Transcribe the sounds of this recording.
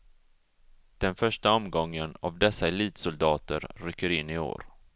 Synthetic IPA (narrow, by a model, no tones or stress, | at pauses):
d̪̥ɛnfœʂʈaɔmɡɔŋːəna̰vd̪ɛsːaɛliːt̪sʊld̪ɑːt̪ə̰ɾɾʏkːəɾɪnːɪo̰ːɾ